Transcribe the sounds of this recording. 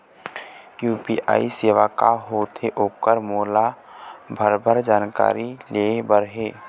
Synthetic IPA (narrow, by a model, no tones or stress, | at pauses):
kjuːpiʔa̰ːiseːʋaka̰ɦoːt̪ʰeʔoːkəɾmoːla | bʱəɾbʱəɾd͡ʒaːnka̰ːɾilebəɾɦeː